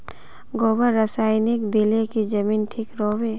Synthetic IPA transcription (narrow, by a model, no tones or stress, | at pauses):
ɡoːbəɾɾːəsaːɪnɪkd̪ilekid͡ʒɐmiːnʈʰiːkɾoːweː